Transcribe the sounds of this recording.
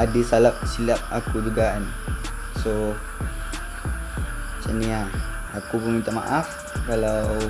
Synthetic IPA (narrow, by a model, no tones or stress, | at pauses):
adisalap̚silap̚akud͡ʒuɡan | so | sənia | akupəmint̪ama̰ʔaf | kalaww